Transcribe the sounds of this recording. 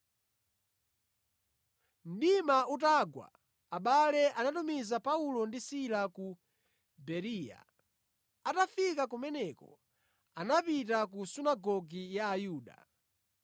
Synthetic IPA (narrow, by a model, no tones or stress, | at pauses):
m̩ɗimaut̬aɡwa̰ | aɓalɛʔanatumizapaulɔndisilaku | bɛɾiːja̰ | atafikakumɛnɛkɔ̰ | anapitakusunaɡɔɡijaːjuːɗa̰